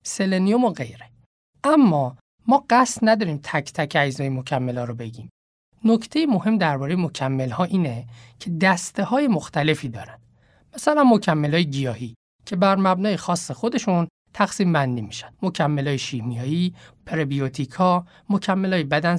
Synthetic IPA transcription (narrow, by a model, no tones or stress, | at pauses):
se̞lenijomoɣḛjɾe | ʔæmːɒː | mɒːɢæst̪næd̪ɒːɾiːmt̪ʰæcʰt̪ʰæcʰæjzɒːjemocʰæmːelɒːɾobe̞ɟiːm | nocʰt̪ʰe̞jemo̞he̞md̪æɾbɒːɾejemo̞cʰæmːe̞lhɒːʔiːnecʰe̞d̪æst̪ehɒːje̞moxt̪æle̞fiːd̪ɒ̰ːɾænd̥̪ | mæsælænmo̞cʰæmːelɒːjeɟijɒːhiː | cʰe̞bæɾmæbnɒːje̞xɒːsːexo̞d̪e̞ʃun | t̪ʰæxsiːmbænd̪iːmiʃæ̥nd̪̥mo̞cʰæmːelɒːjeʃimijɒːjipʰeɾebijot̪ʰikʰɒː | mocʰæmːelɒːjebæd̪æn